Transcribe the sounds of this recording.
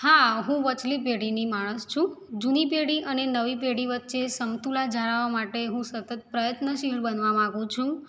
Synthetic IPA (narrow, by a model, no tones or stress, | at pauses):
haɦũʋət͡ʃlip̬eɽinimaɭ̃əst͡ʃʰũd͡ʒunipeɽiʔənenəʋipeɽiʋət̪ːʃesəmt̪ulad͡ʒaɭaʋamaʈeɦũsət̪ət̪̚pɾəjət̪nəʃiɦɾbənʋamãɡũt͡ʃʰũ